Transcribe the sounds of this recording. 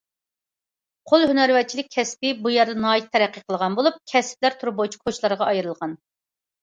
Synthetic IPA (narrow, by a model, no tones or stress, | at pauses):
qʰolˠhynæɾwɛt͡ʃʰilɪk̚ʲʰɛspɪbujɛɾd̪ɛnɑːjit̪̚t̪ʰːɛɾæqːəqʰəlˠəʁɑnbolˠup̚kʲʰɛsɪ̥p̚læɾt̪ʰuɾup̚bot͡ʃʰi̥kkʰoʃlˠɑɾʁɑɑjɨɾɨlˠʁɑn